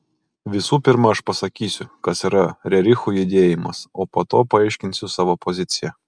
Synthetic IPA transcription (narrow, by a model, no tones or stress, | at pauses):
ʋʲɪsuːpʲɪɾmɐɐʃpɐsɐkʲiːsʲʊkɐsiːɾɐɾʲɛɾʲɪxuːjʊd̪ʲeːjɪmɐsoːpoːt̪oːpɐɐɪʃʲkʲɪnʲsʲʊsɑːʋoːpɔzʲɪt̪sʲɪjɛ